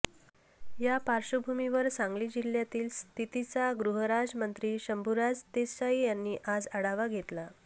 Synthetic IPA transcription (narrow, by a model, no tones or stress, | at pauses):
japaɾɕubʱumiʋəɾsãŋɡliːd͡ʑil̤jat̪iːlst̪ʰit̪it͡saɡɾuɦəɾad͡zmənt̪ɾiːɕəmbʱuɾad͡zt̪eaijanːiːʔad͡zaɽaʋaɡʱet̪la